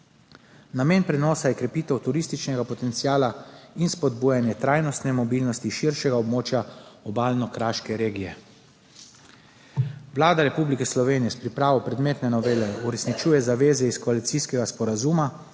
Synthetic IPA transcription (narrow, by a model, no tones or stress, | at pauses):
nameːnpɾɛnɔːsajɛkɾɛpiːt̪ɛwt̪uɾist̪it͡ʃnɛɡapɔt̪ɛnt̪sijaːlainspɔd̪buːjanjɛt̪ɾaːjnɔst̪nɛmɔbilnɔst̪iʃiɾʃɛɡaɔbmoːt͡ʃjaɔbaːlnɔkɾaːʃkɛɾeːɡijɛ | ʋlaːd̪aɾɛpublikɛslɔʋeːnijɛspɾipɾaːʋɔpɾɛd̪meːt̪nɛnɔʋeːlɛuɾɛsnit͡ʃuːjɛzaʋeːzɛiskɔalit̪siskɛɡaspɔɾazuma